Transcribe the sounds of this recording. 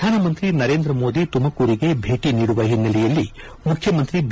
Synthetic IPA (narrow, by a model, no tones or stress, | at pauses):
aːnɐmɐnt̪ɾinɐɾe̞ːnd̪ɾɐmoːd̪it̪umɐkuːɾiɡe̞bʱe̞ːʈiniːɽuʋɐɦinːɐlɛjɐlːi | mukʰjɐmɐnt̪ɾib